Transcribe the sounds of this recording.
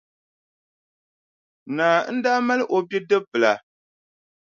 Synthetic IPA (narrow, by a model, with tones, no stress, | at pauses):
naː˨˦n̩˦daː˦ma˦lʔo˨bi˦dɨ˦pɨ˨la˨